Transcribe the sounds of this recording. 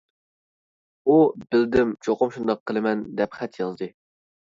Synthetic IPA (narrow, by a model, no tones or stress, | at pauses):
ubɪld̪ɪmt͡ʃʰoqʊmʃund̪ɑqʰːəlˠɨmɛnd̪ɛpχɛt̪ʰjɑld̪ɨ